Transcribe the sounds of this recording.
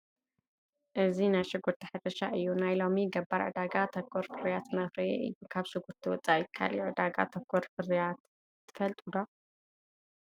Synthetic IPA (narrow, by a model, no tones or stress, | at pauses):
ʔɨzinajʃɨɡuɾt̪ʰiħɨd̪ɐʃaʔɨjːunajlo̞miɡɐbːaɾʕɨ̰d̪aɡat̪ʰɐkʰːoɾkʰɨɾijat̪mɐxɾiḛʔɨ̰jːukʰaβʃɨɡuɾt̪ʰiwɔt͡sʼaikʰa̰luʕɨd̪aɡa̰t̪ʰɐkʰːoɾkʰɨɾjat̪ʰː | ɨ̥fɐlt̪ʼud̪o